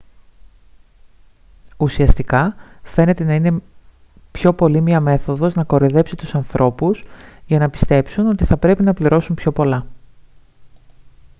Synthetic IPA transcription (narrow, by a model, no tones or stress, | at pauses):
usiɐst̪ikɐfe̞ne̞t̪e̞nɐine̞ | pço̞po̞limiɐme̞θo̞ðo̞znɐko̞ɾeðe̞psit̪usɐnθɾʔo̞pusʝɐnɐpist̪e̞psuno̞t̪iθɐpɾe̞pinɐpliɾo̞sumpço̞po̞lɐ